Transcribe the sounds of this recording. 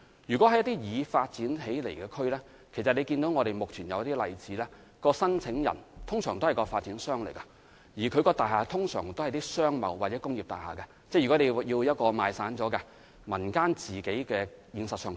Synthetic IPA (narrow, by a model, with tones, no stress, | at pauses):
jyː˨˩kʷɔ˨˥ɐ˨˧jɐ˥t̪i˥jiː˨˧faː˧t̚t͡siː˨˥nɦe˨˥jlḛ˨˩jkɛː˧kʰɵ˥ɥlɛː˥ | kʰe˨˩sɐ˨t̚le˨˧jkiː˧nt̪o˨˥wŋɔː˨˧ɾe˨jmʊ˨k̚t͡ʃʰyː˨˩njɐ˨˧wjɐ˥t̪i˥lɐ˨jt͡siː˨˥lɛː˥ | kɔː˧sɐ˥nt͡sʰɪ˨˧˥ŋjɐ̰˨˩nt̪ʰʊ˥ŋsœː˨˩ŋt̪o˥hɐ˨jkɔː˧faː˧t̚t͡siː˨˥nsœː˥ŋlḛ˨˩jkɐ˧ | jiː˨˩kʰɵ˨˧kɔː˧t̪aː˨jɦaː˨t̪ʰʊ˥ŋsœ̰ː˨˩ŋt̪o˥whɐ˨jt̪iː˥sœː˥ŋmɐ̰˨wːaː˨t̚t͡sɛː˨˥kʊ˥ŋjiː˨p̚t̪aː˨jhaː˨˩kɛ˧ | t͡sɛ˥˩jy˨˩kɔ˨˥le˨˧jiː˧wjɐ˥t̚kɔː˧maː˨˧jsaː˨˥nt͡sɔː˨˥kɛ˧ | mɐ˨˩nkaː˥nt͡siː˨ke˨˥jkɛː˧jiː˨˧nsɐ˨t̚sœː˨˧ŋ